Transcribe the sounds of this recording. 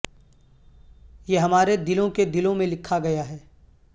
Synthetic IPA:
jeɦɐmaːɾed̪ɪlõked̪ɪlõmẽlɪkʰaɡɐjaɦɛː

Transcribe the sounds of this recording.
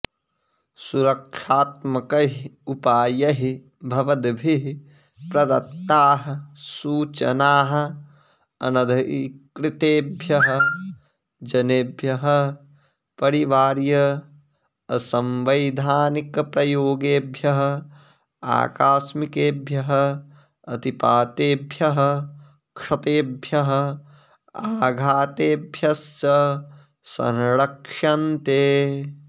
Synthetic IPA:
suɾɐkʂaːt̪̚mɐkɐɦiupaːjɐɦi | bʱɐʋɐd̪bʱiɦ | pɾɐd̪ɐt̪ːaːɦɐ̆suːt͡ʃɐ̰naːɦɐ̆ | ɐ̰nɐd̪ʱɐkɾɪt̪eːbʱjɐɦɐ̆ | d͡ʒɐneːbʱjɐɦɐ̆ | pɐɾiʋaːɾjɐ | ɐsɐ̃mʋɐjd̪ʱaːnikɐpɾɐjoːɡeːbʱjɐɦɐ̆ | a̰ːkaːsmikeːbʱjɐɦɐ̆ | ɐt̪ipaːt̪eːbʱjɐɦɐ̆ | kʂɐt̪eːbʱjɐɦɐ̆ | aːɡʱaːt̪eːbʱjɐsɐ | sɐ̰̃nɾɐkʂɐnt̪eː

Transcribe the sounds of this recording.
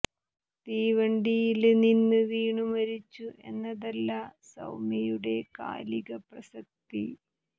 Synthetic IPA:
t̪iːʋɐɳɖijilninːɨʋiːɳumɐɾit͡ɕːuʔe̞nːɐðɐlːɐsɐ̰wmɐjuɽe̞ka̰ːliɣɐprɐsɐk̚t̪i

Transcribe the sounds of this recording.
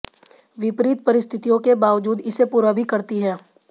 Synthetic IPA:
ʋɪpɾiːt̪̚pɐɾɪst̪ʰɪt̪ijõkebaːʋd͡ʒuːd̪ɪsepuːɾabʱikɐɾt̪iɦɛː

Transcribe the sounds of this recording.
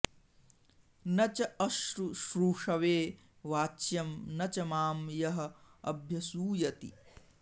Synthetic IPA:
nɐt͡ʃɐɐʃɾuʃɾuːʂɐʋeː | ʋaːt͡ʃjɐmnɐt͡ʃɐmaːmjɐɦɐ̆ɐbʱjɐsuːjɐt̪ḭ

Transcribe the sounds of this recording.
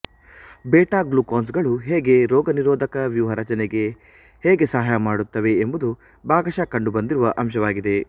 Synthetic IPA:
bɛːʈaːɡluːkoːns̬ɡɐɭuɦeːɡe̞ɾɔːɡɐniɾɔːd̪ʱɐkɐʋjuːɦɐɾɐt͡ʃɐnɛɡe̞ | heːɡe̞sɐɦaːjɐmaːɽut̪ːɐʋe̞ːmbud̪u | baːɡɐʃɐkɐɳɖubɐnd̪iɾuʋɐʔɐmʃɐʋaːɡid̪e̞

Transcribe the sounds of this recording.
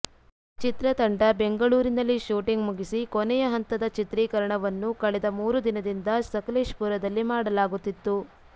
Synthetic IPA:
t͡ʃit̪ɾɐt̪ɐɳɖɐbe̞ŋɡɐɭuːɾinɐlːiʃuːʈiŋɡmuɡisikonɛjɐɦɐnt̪ɐd̪ɐt͡ʃit̪ɾiːkɐɾɐɳɐʋɐnːukɐɭɛd̪ɐmuːɾud̪inɐd̪ind̪ɐsɐkɐleːʂpuɾɐd̪ɐlːimaːɽɐlaːɡut̪ːit̪ːu

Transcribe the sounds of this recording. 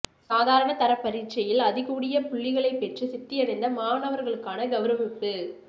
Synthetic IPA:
saːðaːɾɐɳɐt̪ɐɾɐpːɐɾit͡ʃɐjɪlɐðɪɣuːɽɪjɐpʊɭːɪɣɐɭɐɪpːɛʈrɯsɪt̪ːɪjɐʋɐnd̪ɐmaːɳɐʋɐɾɣɐɭɯkːaːnɐɡɐʋɯɾɐmɪpːɯ

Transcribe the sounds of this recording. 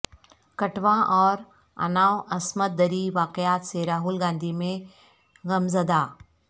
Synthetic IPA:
kɐʈʋãʔɔːɾ | ɐ̰naːwɐsmət̪̚d̪ɐɾiʋaːqɪjaːt̪seɾaːɦʊlɡãːnd̪ʱimẽ | ɣɐmzɐd̪aː

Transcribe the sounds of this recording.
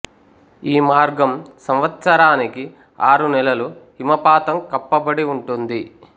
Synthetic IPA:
iːmaːɾɡɐmsɐmʋɐt̪sɐɾaːniki | aːɾunɛlɐlu | imɐpaːt̪ɐmkɐpːɐbɐɽiuɳʈund̪i

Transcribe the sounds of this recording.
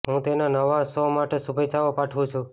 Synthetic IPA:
ɦũt̪enanəʋasomaʈesubet͡ʃaopaʈʰʋũt͡ʃʰũ

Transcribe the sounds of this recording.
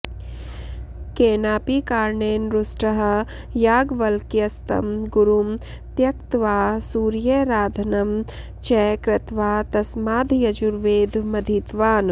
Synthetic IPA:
keːnaːpikaːɾɳeːnɾʊsʈɐɦ̆ | jaːɡʋɐlkjɐst̪ɐ̰mɡʊɾum | t̪jɐkt̪ʋaːsuːɾjɐɾaːd̪ʱɐnɐm | t͡ʃɛːkɾɪt̪ʋaːt̪ɐsmaːd̪ʱjɐd͡ʒuɾʋeːd̪ʱmɐd̪ʱiːt̪ʋaːn

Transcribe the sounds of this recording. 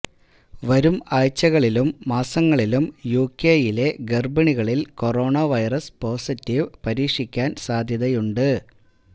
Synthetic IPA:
ʋɐɾumaːjt͡ɕːɐɣɐɭilumːaːsɐŋːɐɭilumjuːkːeːjile̞ɡerbɐɳiɣɐɭilko̞ro̞ːɳɐʋɐjrɐspo̞ːsitːiʋpɐɾiːkʂikʲːaːnsaːd̪ʱjɐðɐjuɳɖɨ

